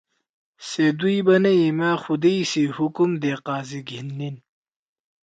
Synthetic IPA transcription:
sed̪ujbɐnɐimaːxud̪ejsihukumd̪eːqaːziɡʱinːin

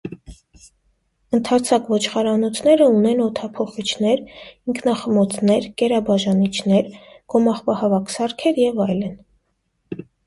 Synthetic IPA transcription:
ənt̪ʰɑt͡sʰɑkvɔt͡ʃʰχɑɾɑnɔt͡sʰnɛɾəunɛnɔt̪ʰɑpʰɔχit͡ʃʰn̪ɛɾiŋkʰnɑχəmɔt͡sʰnɛɾkɛɾɑbɑʒɑnit͡ʃʰnɛɾɡ̥ɔmɑχpɑhɑvɑkʰsɑɾkʰɛɾjɛvɑjlən

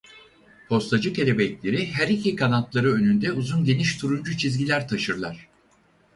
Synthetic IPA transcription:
pʰo̞st̪ad͡ʒɯke̞lʲebɛclʲe̞ɾiɦæɾicʰikʰanat̪lˠaɾɯø̞nynd̪ɛuzunɟe̞niʃt̪ʰuɾund͡ʒut͡ʃʰizɟilʲæɾt̪ʰaʃɯɾlˠaɾ̥

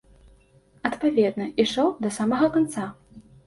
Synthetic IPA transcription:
ɐt̪pavʲɛd̪nɐiʂɔwd̪ɐsamɐɣɐkant̪sa

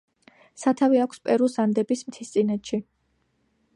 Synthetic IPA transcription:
sat̪ʰaviakʷʰspʼɛɾusand̪ɛbismt̪ʰist̪sʼinɛt̪ʃi

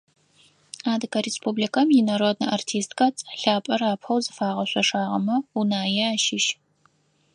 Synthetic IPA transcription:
aːdɨkɐɾespʰublikʰɐmjɪnɐɾodnɐʔartʰiːstkʰɐt͡sʼɬaːpʼɐraːpʰɐwzɨfaːʁɐɕʷɔʂaːʁɐmɐunaːjɛaːʃɪʃ

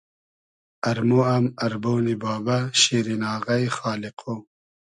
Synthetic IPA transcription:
ɐɾmoɐmɐɾbownibaːbaɕiːɾinɑːɣɐjxɑːliqʰo

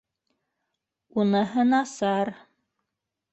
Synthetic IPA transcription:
unɤɦɤnɑsɑɾ

